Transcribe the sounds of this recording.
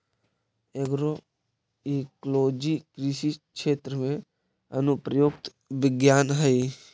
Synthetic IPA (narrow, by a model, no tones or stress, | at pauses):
eɡɾo | ekloːd͡ʒikɾɪʃikʃeːt̪ɾəmẽ | ɐnʊpɾəjoːkt̪ | ʋɪɡjaːnɦəi